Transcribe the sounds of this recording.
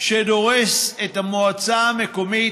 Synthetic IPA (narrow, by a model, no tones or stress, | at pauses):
ʃed̪o̞ʁeset̪amoat͡samekomi